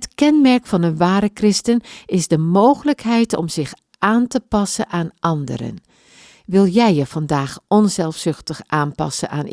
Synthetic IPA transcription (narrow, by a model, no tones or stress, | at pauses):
ətkɛnmɛɹkfɑnənʋaːɾəkrɪstənɪzdəmoːɣələkɦɛjtɔ̰mzɪx | ʔaːntəpɑsənʔaːnʔɑndə̰rə̰n | ʋɪlˠjɛjəv̥ɑndaːxʔɔnzɛlˠfsʏxtəxʔaːnpɑ̰sənaːn